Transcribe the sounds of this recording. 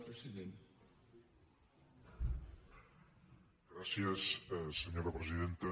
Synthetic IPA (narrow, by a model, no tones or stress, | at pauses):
pɾesiðen | ɡɾasjesseɲoɾapɾeziðent̪a